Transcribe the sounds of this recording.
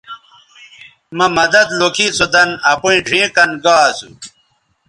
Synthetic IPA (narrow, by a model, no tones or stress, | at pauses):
mɐmɐd̪ɐd̪lokʰit͡sod̪ɐnɐpũĩɖʱĩːkɐnɡaːsṵ